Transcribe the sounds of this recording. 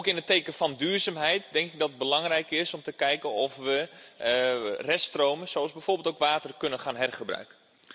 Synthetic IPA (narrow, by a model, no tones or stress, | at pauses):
owkɪnəteːkəfɑndyːrzaːmɦɛjtdɛŋkɪɡ̚dɑtəd̚bəlɑŋrɛjkɪsɔmtəkɛjkənɔfʋə | rɛstrowməsoɑlˠzbɛjfoːrbɪlˠtoʊwkʋaːtərkɵnəχaːnɦɛrχəbrœ̰ɥkə